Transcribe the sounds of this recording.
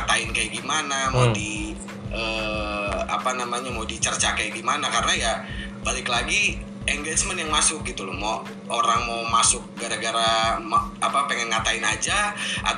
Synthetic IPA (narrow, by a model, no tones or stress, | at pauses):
at̪aɪnkajiɡimanamodi | əː | a̰panamaɲamowdit͡ʃərt͡ʃakajɡimanakarənaja | balɪklaɡi | ɛŋɡet͡ʃmənjaŋmasʊk̚ɡit̪ulʊhmo | oɾaŋmowmasʊk̚ɡaɾaɡaɾamaapapeŋɛnŋat̪aɪnad͡ʒaʔa̰